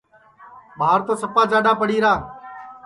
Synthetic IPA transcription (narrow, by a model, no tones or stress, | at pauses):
ɓaːɾt̪oːsəpaːd͡ʒaːɗãːpəɽiːɾaː